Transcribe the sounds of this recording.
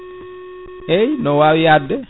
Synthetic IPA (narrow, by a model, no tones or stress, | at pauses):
ejnɔwawijadːɛ